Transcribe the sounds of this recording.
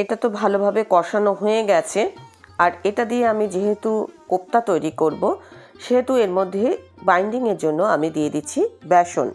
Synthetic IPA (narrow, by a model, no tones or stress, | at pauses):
eʈat̪obʱalobʱabekɔʃanoɦoeɡɛt͡ɕʰeaɾeʈad̪ieamid͡ʑeɦet̪ukop̚t̪at̪ojɾikoɾbo | ʃeɦet̪ueɾmod̪ʱːebajɳɖiŋeɾd͡ʑonːoamid̪ijed̪itːt͡ɕʰibɛʃo̰n